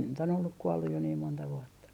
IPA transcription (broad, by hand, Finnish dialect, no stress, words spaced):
nyt on olːuk kuɔlːuj jo niːm montɑ ʋuɔtːɑ